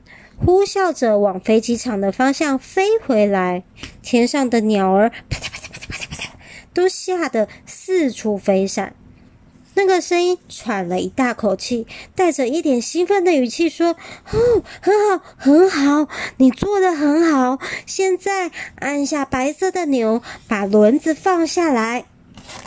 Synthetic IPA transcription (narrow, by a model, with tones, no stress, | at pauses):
xu˥ɕjɑ˥˩ʊʈ͡ʂə˨wɑ˨˩ŋfe˧˥ɪt͡ɕi˧˥ʈ͡ʂʰɑ˨˩ŋd̪ə˩fɑ˥ŋɕjɑ˥˩ŋfe˥ɪxwe˧˥ɪla˧˦˥ɪt̪ʰjɛ˧˥nʂɑ˥˩ŋd̪ə˨njɑ˨˩ʊə˞˧˥p̪pppt̪o˥ʊɕja˥˩d̪ə˩sɹ̩˥˨ʈ͡ʂʰu˧˥fe˥ɪʂa̰˨˩˦n | na˥˩ɡə˨ʂə˥ni˥nʈ͡ʂʰwa˨˩nlə˦i˧˥t̪a˥˩kʰo˨˩ʊt͡ɕʰi˥˩t̪a˥˩ɪʈ͡ʂə˨˩i˥˩t̪jɛ˨˩nɕi˥nfə˥˩nd̪ə˨˩y˨˩t͡ɕʰi˥˩ʂwɔ˥o˥˩xə˧˥nxɑ˨˩˦ʊxə˧˥nxɑ˨˩˦ʊni˨˩t͡swɔ˥˩d̪ə˨xə˧˥nxɑ˨˩ʊɕjɛ˥˧nt͡sa˥˩ɪa˥˧nɕja˥˩pa˧˥ɪsɤ˥˩d̪ə˩njo˧˥ʊpa˨˩lwə˧˥nd͡zɹ̩˧fɑ˥˧ŋɕja˥˩la˧˥ɪ